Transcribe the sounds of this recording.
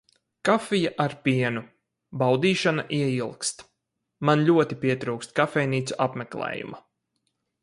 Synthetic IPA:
kafijaʔaɾpʲiɛnu | bawd̪iːʃanaʔiɛilˠkst̪ | manlʲuɔt̪ipʲiɛt̪ɾuwkst̪kafɛjniːt̪suʔapmɛklˠɛ̰ːjṵma

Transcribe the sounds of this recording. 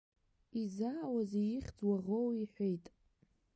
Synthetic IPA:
izaːwazejɪχʲd͡zwaʁowiħʷejtʼ

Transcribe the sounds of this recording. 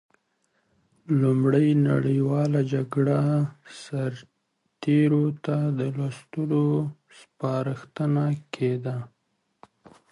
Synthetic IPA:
lumɽəjna̰ɽəjwɑlad͡ʒaɡɽasaɾ | t̪eɾot̪ad̪əlɑst̪ulo | spɑɾəxt̪ənakʰed̪a

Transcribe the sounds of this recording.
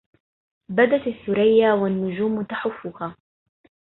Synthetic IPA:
bad̪at̪aθːʊɾajːawanːʊd͡ʒuːmt̪aħafːʊhaː

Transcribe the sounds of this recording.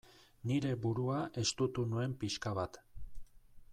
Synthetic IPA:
niɾe̞buɾuaʔe̞st̪ut̪unue̞mpiʃkaβat̪

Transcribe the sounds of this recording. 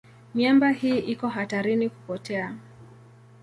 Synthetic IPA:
mjambahiːʔikɔɦataɾiniku̥pɔtɛa

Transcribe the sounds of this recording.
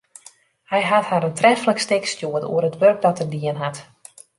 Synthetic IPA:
hɛjɦathaɾəntrɛfələkstɪkstjuətṵərətʋørk̚dɔtədiənɦat

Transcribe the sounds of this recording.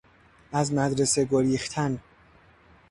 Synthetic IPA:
ʔæzmæd̪ɾe̞seɡoɾiːxt̪ʰæn

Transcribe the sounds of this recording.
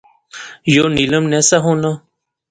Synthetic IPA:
joːniləmnɛsaɦõːna

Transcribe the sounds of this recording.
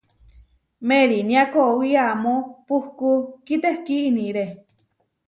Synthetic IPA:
meɾinĩakowiamõpuhkukit̪ehkiʔnĩɾe

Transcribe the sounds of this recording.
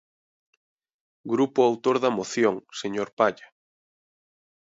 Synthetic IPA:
ɡɾupʊawt̪oɾðɐmoθjoŋseɲoɾpaʎa

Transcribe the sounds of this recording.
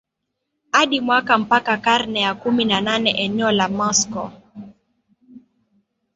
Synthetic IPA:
haɗimwakam̩pakakaɾnɛjakuminananɛʔɛnɛɔlamɔskɔ̰

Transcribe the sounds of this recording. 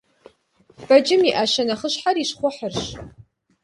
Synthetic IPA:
b̥ɐd͡ʒɪmiʔaːʃɐnɐχəɕħariɕχʷʊħərɕ

